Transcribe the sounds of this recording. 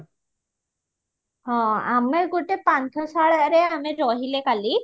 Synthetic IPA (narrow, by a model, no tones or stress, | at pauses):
ɦɔ̃a̰meɾɡoʈepankʰɔsaɭaʔɾeameɾɔɦilekali